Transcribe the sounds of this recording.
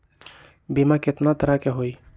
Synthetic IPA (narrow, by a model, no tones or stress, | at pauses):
bimakɪt̪nat̪əɾakeɦoi